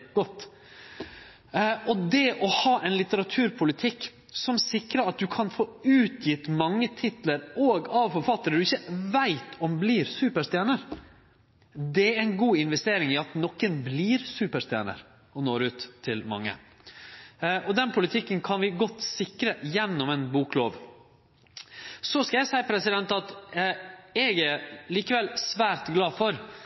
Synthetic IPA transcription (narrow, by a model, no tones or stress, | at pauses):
ɡ̥ɔt̪ː | ɔd̪ɛʔɔhɑːʔɛɪnlɪt̪əɾɑt̪ʰʉːɾpʰʊlɪt̪ʰɪkː | sɔmsɪkɾəɾɑt̪̚d̪ʉkʰɑnfoːʉːt̪jɪt̪mɑŋːət̪ʰɪt̪ləɾoːɡɑʋfɔɾfɑt̪ːəɾəd̪ʉɪçːəʋæɪt̪ʰɔmbliːɾsʉːpəʂt̪jæːnəɾ | d̪ɛæɾæɪnɡuːɪnʋɛst̪eːɾɪŋɪɑt̪nɔkːənbliːɾsʉːpəʂst̪jæ̰ːnə̰ɾ | ɔnoːɾʉːt̪ʰːɪlmɑ̰ŋːə̰ | ɔd̪ɛnpʰʊlɪt̪ʰɪkːənkʰɑnʋɪɡɔt̪ːsɪkɾəjɛnːɔmɛnbuːkloːʋ | sɔskɑjæɪsæɪpʰɾɛsɪd̪ɛnt̪ɑt̪ | ɛɡæɾliːkəʋɛlsʋæːɾt̪ɡlɑːfɔɾ